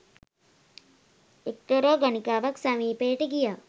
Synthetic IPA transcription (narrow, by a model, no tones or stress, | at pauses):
ek̚t̪ɐɾoːɡɐnikaːʋɐksɐmiːpeːʈɨɡijaː